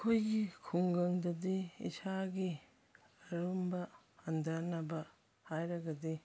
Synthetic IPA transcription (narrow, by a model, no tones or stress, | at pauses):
kʰojɡikʰuŋɡɐŋdɐdiḭsaɡi | ɐɾumbɐ | hɐndanɐbɐ | hajɾɐɡɐdi